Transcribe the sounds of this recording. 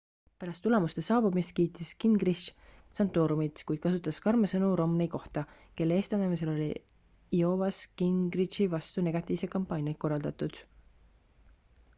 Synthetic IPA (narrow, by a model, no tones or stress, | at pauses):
pæɾɑst̪ːule̞must̪e̞sɑːbumist̪̚kiːt̪ːˑiskiŋɡ̥riʃsɑnt̪ːˑoːɾumit̪kujd̪̥̚kɑsut̪ːˑɑskɑrmɑsɤnuɾo̞mnejko̞ht̪ɑ | ke̞lːee̞ːst̪ɑnemis̬e̞lo̞lʲi | io̞ːvɑskiŋɡriʃivɑst̪une̞ɡ̥ɑt̪ːˑiːvsekɑmpːˑɑːnʲjɑko̞rːɑld̪ɑt̪ˑud̪̥